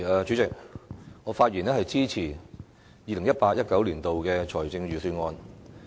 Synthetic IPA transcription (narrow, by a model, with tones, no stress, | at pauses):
ɛː˨˧t͡ʃy˨˧˥t͡sɪ˨k̚ŋɔː˨˧faː˧t̚jiː˨˩nɛː˥ɦɐ˨jt͡siː˥t͡sʰiː˨˩ | jiː˨lɪ˨˩ŋjɐ˥t̚paː˧t̚jɐ˥t̚kɐ˨˥wliː˨˩nt̪o˨wkɛː˧t͡ʃʰɔː˨˩jt͡sɪ˧ŋɥyː˨˩syː˧nŋɔː˧n